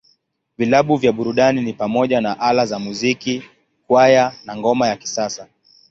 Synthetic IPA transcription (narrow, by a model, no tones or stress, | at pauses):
vilaɓuvjaɓuɾuɗaninipamɔʄanaʔalazamuziki | kwajanaŋɡɔmajaki̥sasa